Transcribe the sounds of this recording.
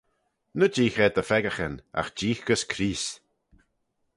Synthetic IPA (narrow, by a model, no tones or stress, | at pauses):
nəd͡ʒiːxɛd̪əfɛɡəxəna̰xd͡ʒiːxɡ̥əskʰɾiːs